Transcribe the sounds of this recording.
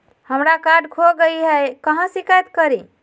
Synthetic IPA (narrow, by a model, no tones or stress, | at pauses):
həmɾakaɖkʰoɡəjɦəkəɦə̃sikajt̪kəɾi